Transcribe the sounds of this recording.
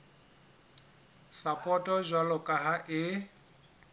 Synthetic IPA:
sapʼɔtʼɔʒʷalɔkʼaɦaʔɪ

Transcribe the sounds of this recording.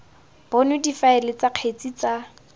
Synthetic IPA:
b̥ɔnʊdifaɪlɪt͡saq͡χʰet͡sʼit͡sa

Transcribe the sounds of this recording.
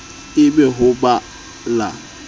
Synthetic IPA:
ɪɡ͡beɦʊɡ͡ba | la

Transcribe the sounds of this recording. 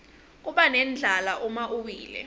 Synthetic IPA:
k̬ʼuɓanɛnd͡ɮʱalaʔumaʔuwiːlɛ̰

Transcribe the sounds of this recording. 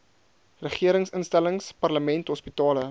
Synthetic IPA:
rəχiəɾəŋsənstæləŋspɐrləmɛntɦɔspitɑːlə

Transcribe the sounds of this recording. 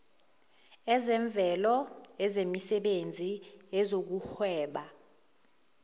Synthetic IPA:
ɛzɛɱb̪vʱɛlɔɛzemisɛɓend͡zʱiɛzok̬uxwɛːɓa

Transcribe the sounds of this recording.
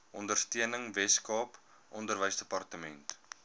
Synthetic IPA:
ʔɔndərstiənəŋvɛskɑːp | ʔɔndərvəjsdəpɐrtəmɛnt

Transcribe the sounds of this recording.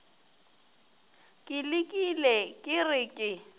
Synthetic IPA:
kʼɪlɪkʼilɛkʼɪrɪkʼɪ

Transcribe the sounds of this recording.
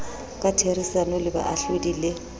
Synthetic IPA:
kʼatʰerisanɔlɪba̰ʔaɬudiːle

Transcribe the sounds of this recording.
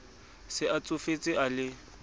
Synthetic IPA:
sɪʔat͡sʼʊfet͡sʼɪʔalɪ

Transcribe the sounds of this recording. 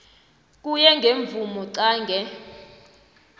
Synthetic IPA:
k̬ʼujɛŋɡʱeɱb̪vumɔǀaːŋɡʱɛ

